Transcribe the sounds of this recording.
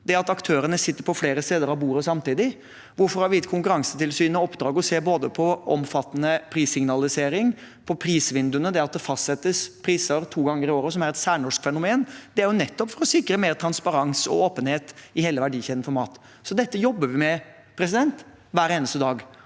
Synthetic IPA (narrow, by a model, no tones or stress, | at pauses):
d̪̥ɛɑt̪ɑkt̪ʰøːɾəɳəsɪt̪ːəɾpʰɔfleːɾəst̪eːd̪əɾɑʋbuːɾəsɑmt̪iːd̪ɪ | ʋʊɾfɔɾhɑɾʋɪjɪt̪kʰʊŋkʉɾɑŋsət̪ɪlsyːnəɔpːd̪ɾɑːɡɔseːɾboːd̪əpʰɔʔɔ̰mfɑt̪ːnəpʰɾiːsɪŋnɑlɪseːɾɪŋ | pʰɔpʰɾiːsʋɪnd̪ʉənəd̪ɛɑt̪̚d̪ɛfɑst̪sɛt̪ːəspʰɾiːsəɾt̪ʰuːɡɑŋːəɾɪoːɾəsɔmæɾɛt̪sæːɳɔʂkfɛnʊmeːnd̪̥ɛæɾjʊnɛt̪ːɔpfɔɾɔsɪkɾəmeːɾt̪ʰɾɑnspɑɾɑŋsɔ̰oːpənheːt̪ɪheːləʋæɖiːçɛd̪nfɔɾmɑːt̪ | sɔd̪ɛt̪ːəjɔbːəʋɪmɛ | pʰɾɛs̬ɪd̪ɛnt̪ | ʋæːɾeːnəst̪əd̪ɑːɡ